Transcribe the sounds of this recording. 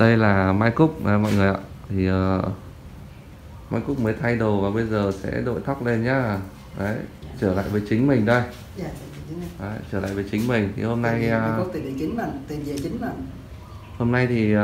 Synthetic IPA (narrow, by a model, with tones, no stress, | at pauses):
ɗə˧jlaː˨˩maː˧jkʊ˦˥k͡p̚ə˧˩mɔ̰˧˨jŋɨ˨˩əjʔa̰ː˧˨t̪ʰi˨˩ʔəː˨˩ | maː˧jkʊ˦˥k͡p̚məː˨˦jt̪ʰa˧jɗo˨˩vaː˨˩ɓə˧jzəː˨˩sɛ̰˧˥ɗo̰˧˨jt̪ʰa˦˥k͡p̚le˧nɲaː˨˦˨ | ʔə˨˦jt͡ɕəː˧˩la̰ː˧˨jvəː˨˦jt͡ɕï˨˦ŋ̟mï˨˩ŋ̟ɗə˧j | ʔəː˨˦t͡ɕəː˧˩la̰ː˧˨jvəː˨˦t͡ɕï˨˦ŋ̟mï˨˩ŋ̟t̪ʰi˨˩ho˧mna˧jt̪i˨˩˨i˨˧˩t͡ɕi˨˦ŋla˨˧˩nt̪i˨˩zi˧ə˨˩t͡ɕi˨˦ŋla˨˩n | ho˧mna˧jt̪ʰi˨˩˨